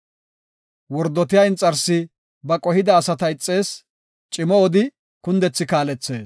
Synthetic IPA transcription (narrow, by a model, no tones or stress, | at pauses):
wɔɾd̪ːɔt̪ɪjaɪnt͡sʼːɐɾsɪ | bɐkʼɔhɪd̪ɐːsɐt̪ɐɪt͡sʼːe̞ːs | t͡ʃʼɪmɔɔd̪ɪ | kʊnd̪ɛt͡sːɪkaːlɛt͡sːe̞ːs